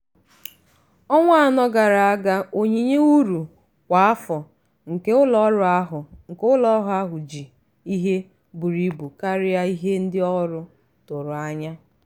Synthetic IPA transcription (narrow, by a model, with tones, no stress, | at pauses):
ɔ˦ŋʷa˦a˨nɔ˦ɡa˨ɾa˨a˦ɡa˦o˨ɲi˨ɲe˦u˦ɾu˨ | kʷa˨a˦fɔ˨ | ŋ̩˨ke˦ʊ˦lɔ˦ɾɦʊ˨ŋ̩˨kʊ˦lɔ˦ɦʊ˦a˦ɦʊ˨d͡ʒi˨ | i˦ɦe˦ | bu˨ɾi˨bu˨ka˦ɾɪ˦ja˦i˦ɦe˦n̩˦dɪ˦ɔ˦ɾʊ˦ | tʊ˨ɾʊ˨a˦ɲa˦